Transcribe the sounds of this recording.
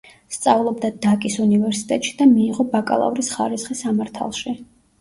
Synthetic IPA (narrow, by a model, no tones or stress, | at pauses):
st̪sʼavlˠɔbd̪ad̪akʼisunivɛɾsi̥t̪ʼɛt̪ʼʃi̥d̪amiːʁɔbakʼa̰lˠa̰vɾisχa̰ɾisχisamaɾt̪ʰa̰lˠʃi